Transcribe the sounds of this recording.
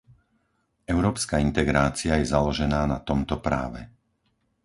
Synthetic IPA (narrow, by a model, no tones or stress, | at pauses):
ɛʊɾɔːpskaint̪ɛɡɾaːt͡sɪajɛzalɔʒɛnaːnat̪ɔmt̪ɔpɾa̰ːʋɛ̰